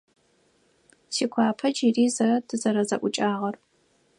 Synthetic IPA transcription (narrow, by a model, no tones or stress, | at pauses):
siːkʷʰɑːpʰɐd͡ʒiriːzɐrɐdʰɨzɐɾɐzɐʔʷʊt͡ʃʼaːʁɐr